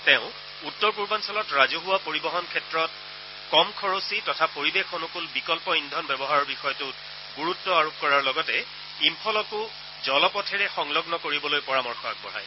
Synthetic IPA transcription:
teʊ̃ | utːɔɹpuɹbansɔlɔtɹazuɦʊwapoɹibɔɦɔnkʰɛtɹɔt̚ | kɔmkʰɔɹositɔtʰapoɹibexɔnukulbikɔlpɔindʱɔnbɛbɔɦaɹɔɹbixɔjɔtʊt | ɡuɹutːɔaɹup̚kɔɹaɹlɔɡɔtɛ | impʰɔlɔkʊ | zɔlɔpɔtʰɛɹɛxɔŋlɔɡnɔkoɹibɔlojpɔɹamɔɹxʰɔa̰k̚bɔ̰ɹa̰j

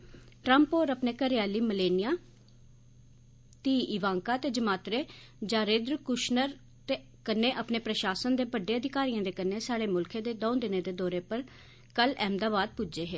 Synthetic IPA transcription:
ʈɾəmpoːɾəpneːkəɾɪjaːliːməleːnɪjaː | t̪iːʔɪʋãːŋkaːt̪eːd͡ʒəmaːt̪ɾeː | d͡ʒãːɾeːd̪ɾkʊʃnəɾ | t̪eː | kənːeːʔəpneːpɾəʃaːsənd̪eːbəɖːeːəd̪ʱɪkaːɾijãːd̪eːkənːeːsaːɽeːmʊlkʰẽːd̪eːd̪ɔ̃ːd̪ɪnẽːd̪eːd̪ɔːɾeːpəɾ | kəlɛːmd̪aːbaːd̪̚pʊd͡ʒeːɦeː

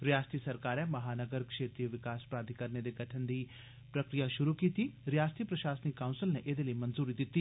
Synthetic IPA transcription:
ɾɪjaːst̪isɐɾkaːɾɛmɐɦaːnəɡəɾkʃeːt̪ɾijəʋɪkaːspɾaːd̪ʱikəɾned̪eɡɐʈʰənd̪iː | pɾɐkɾijaʃʊɾukiːt̪iɾijaːst̪ʰipɾɐʃaːsənikːaʊ̃nsɪlneʔed̪eləimɐnzuːɾid̪ɪt̪ːi

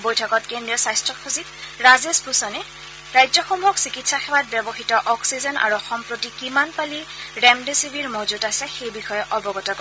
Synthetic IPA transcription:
bojtʰɔkɔtkendijɔsajstɹɔkʰxuzitɹazespusɔnɛ | ɹajzɔxɔmuɦɔksikitsaxɛwat̚bjɔbɔxitɔʔɔksizɔnʔa̰ɹuɔxɔmpɹotikimanpaliɹɛmdesibiɹmozutasɛxejbixɔjɛʔɔbɔɡɔtakɔ

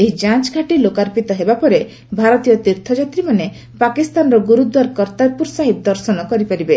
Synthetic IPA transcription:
eɦid͡ʒat͡ʃɡʱaʈilokaɾpit̪ɔɦebapɔɾe | bʱaɾɔt̪ijɔt̪iɾt̪ʰɔd͡ʒat̪ɾimane | pakist̪anɔɾɔɡuɾud̪waɾkɔɾt̪aɾpuɾsaɦit̪̚d̪ɔɾsɔnɔkɔɾipaɾibe

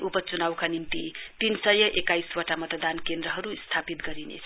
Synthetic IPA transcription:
ʔupʌt͡sunawkanimt̪it̪insʌjʌʔekajswʌʈamʌt̪ʌd̪ankend̪ɾʌɦʌɾust̪ʰapit̪ɡʌɾinḛʌ

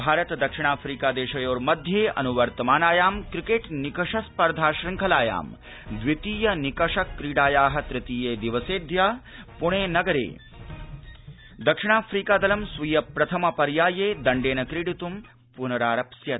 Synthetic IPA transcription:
bʱaːɾɐt̪d̪ɐkʂɪɳ̃aːfʰɾiːkaːd̪eːʃɐjoːɾmɐd̪ʱjeːʔɐ̰nuʋɐɾt̪ɐmaːnaːjaːmkɾikeːʈnikɐʂɐspɐɾd̪ʱaːʃɾɪŋkʰɐlaːja̰ːm | d̪ʋit̪iːjɐnikɐʂɐkɾiːɖaːjaːɦɐ̆t̪ɾɪt̪iːjeːd̪iʋɐseːd̪ʱjaːpuɳ̃eːnɐɡɐɾḛː | d̪ɐkʂɪɳ̃aːfʰɾiːkaːd̪ɐlɐmsʋijɐpɾɐt̪ʰɐmɐpɐɾjaːjeːd̪ɐɳɖeːnɐkɾiɽit̪um | punɐɾaːɾɐpsjɐ

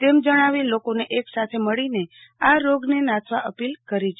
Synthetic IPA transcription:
t̪emd͡ʒəɽ̃aʋilokoneʔeksat̪ʰeməɭine | aɾoɡnenat̪ʰʋaʔəpilkəɾid͡ʒ

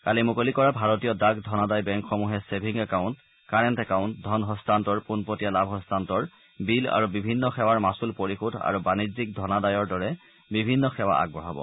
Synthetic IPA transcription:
kalimukolikɔɹabʱaɹɔtijɔdakdʱɔnadajbɛŋkxɔmuɦɛsebʱiŋɛkaʊ̃nt | kaɹɛntɛkaʊ̃ntdʱɔnɦɔstʰantɔɹpunpotijalabʱɦɔstʰantɔɹ | bila̰ɹubibʱinːɔxɛwaɹmasulpoɹixudʱa̰ɹubanizik̚dʱɔnadajɔɹdɔɹɛ | bibʱinːɔxɛwa̰ʔa̰ɡ̚bɹɔɦabɔ̰

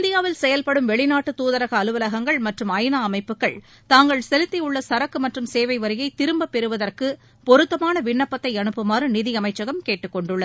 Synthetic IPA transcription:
ɪnd̪ɪjaːʋɪlsɛjɐlpɐɽɯmʋɛɭɪnaːʈːɯt̪uːðɐɾɐɣɐːlɯʋɐlɐɣɐŋɡɐɭmɐʈrɯmɐɪnaːmɐɪpːɯkːɐɭ | t̪aːŋɡɐɭsɛlɪt̪ːɪjʊɭːɐsɐɾɐkːɯmɐʈrɯmseːʋɐɪʋɐɾɪjɐɪt̪ɪɾɯmbɐpːɛɾɯʋɐðɐrkɯ | pɔɾɯt̪ːɐmaːnɐʋɪɳːɐpːɐt̪ːɐɪɐɳɯpːɯmaːrɯnɪðɪɐmɐɪt͡ʃːɐɣɐmkeːʈːɯkːɔɳɖɯɭːɐð

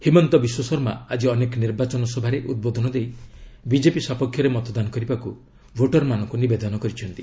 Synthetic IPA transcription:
himɔnt̪ɔbiswɔsɔɾmaad͡ʒiɔnekɔniɾbat͡ʃɔnɔsɔbʱaɾeʔud̪̚bod̪ʱɔnɔd̪ejbid͡ʒepisapɔkʰjɔɾemɔt̪ɔd̪anɔkɔɾibaku | bʱoʈɔɾmanɔŋkunibed̪ɔnɔkɔɾit͡ʃʰɔnt̪i

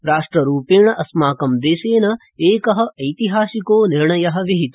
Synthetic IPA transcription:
ɾaːʂʈɾɐɾuːpeːɳɐʔɐsmaːkɐmd̪eːseːnɐ | eːkɐɦɐ̆ʔɐjt̪iɦaːsikoːniɾɳɐjɐɦɐ̆ʋiɦit̪u̥

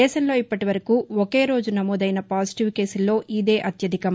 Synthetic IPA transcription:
ɛːʃɐmlo̞ːipːɐʈiʋɐɾɐkuːɔke̞ːɾo̞ːd͡ʒunɐmoːd̪ɐjnɐpaːsi̥ʈiʋke̞ːsulːo̞ːʔid̪e̞ːʔɐt̪jɐd̪ikɐm

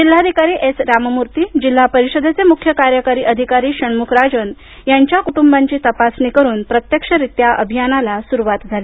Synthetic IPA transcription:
d͡ʑilːad̪ʱikaɾiːʔesɾammuɾt̪iːd͡ʑil̤ːapəɾiɕəd̪ʱet͡semukʰjəkaɾjəkaɾiːʔəd̪ʱikaɾiːɕəɳmukʰɾad͡zən | jaɲt͡ɕjakuʈumbaɲt͡ɕiːt̪əpasnikəɾuːnpɾət̪jəkʂəɾit̪jaʔəbʱijanalasuɾuʋat̪d͡zʱali

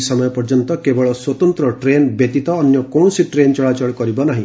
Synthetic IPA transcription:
sɔmɔjɔpɔɾd͡ʒɔnt̪ɔkebɔɭɔswɔt̪ɔnt̪ɾɔʈɾenbet̪it̪ɔːnjɔkoɳ̃ɔsiʈɾent͡ʃɔɭat͡ʃɔɭkɔɾibɔnaɦĩ

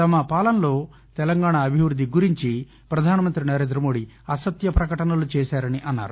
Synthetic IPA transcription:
t̪ɐmɐpaːlɐnlo̞ː | t̪ɛlɐŋɡaːɳaːbʱiʋɾud̪ʱːiɡuɾiɲt͡ʃi | pɾɐd̪ʱaːnɐmɐnt̪ɾinɐɾe̞ːnd̪ɾɐmo̞ːɽi | ɐsɐt̪jɐpɾɐkɐʈɐnɐlut͡ʃɛːʃaːɾɐniʔɐnːa̰ːɾu

